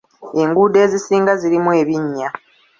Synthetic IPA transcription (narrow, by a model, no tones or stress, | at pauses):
e̞ŋɡuːde̞ːzisiːŋɡaziɾimwe̞ːβiɲːa